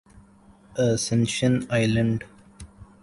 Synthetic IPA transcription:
əsɛ̃nʃə̃naɪlə̃ɳɖ

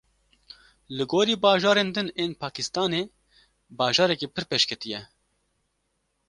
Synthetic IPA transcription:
lɨɡoːɾiːbɑːʒɑːɾeːnd̪ɨneːnpʰɑːkʰɪst̪ɑːneː | bɑːʒɑːɾɛkeːpʰɨɾpeːʃkʰɛt̪ijɛ

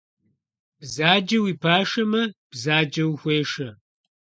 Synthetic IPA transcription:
b̥zaːd͡ʒɐwiːpʰaːʂɐmɐb̥zaːd͡ʒɐwxʷeːʂɐ

